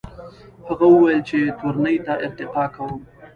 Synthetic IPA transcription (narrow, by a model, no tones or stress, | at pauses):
haɣawəwajəlt͡ʃet̪oɾanəjt̪aʔɪɾt̪ɪqɑkawəm